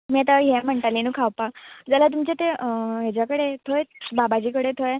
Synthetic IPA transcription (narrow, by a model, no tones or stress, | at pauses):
miat̪aɦem̤əɳʈalinũːkʰawpakd͡zalat̪̬umt͡ɕet̪eɦet͡ɕjakəɽet̪ʰojbabat͡ɕiːkəɽet̪ʰoj